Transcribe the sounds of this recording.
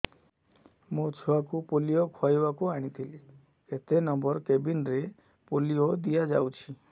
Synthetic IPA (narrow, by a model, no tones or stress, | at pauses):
mũt͡ʃʰuakupolijokʰɔjbakuaɽ̃it̪ʰili | ket̪enɔmbɔɾkebinɾe | poliod̪ijad͡ʒawt͡ʃʰi